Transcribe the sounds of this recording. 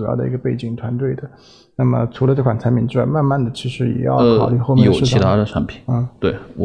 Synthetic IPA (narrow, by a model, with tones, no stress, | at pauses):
jɑ˥˩ʊd̪ə̰˩i˧˥ɡə˧pe˥˩ɪt͡ɕi˨˩ŋt̪ʰwa˧˥nt̪we˥˩ɪd̪ə˩ | na˥˩mə̰˩t͡sʰu˧˥lə˧ʈ͡ʂɤ˥˩kwa˨˩nt͡sʰa˧˥ɪpʰi˨˧˥nʈ͡ʂɻ̩˥˩a̰˥ma˥˧nma˥˩nd̪ə˩t͡ɕʰi˧˥ʂɻ̩˧˥jɛ̰˨˩jɑ̰˥˩ʊkʰɑ̰˨˩˦ʊli˧˥xo˥˧m˥o˨˧˥i˥˧a˥˩d̪ə˨˩ʈ͡ʂʰa˧˥npʰi˨˩˦t̪we˥˩ɪ˨˩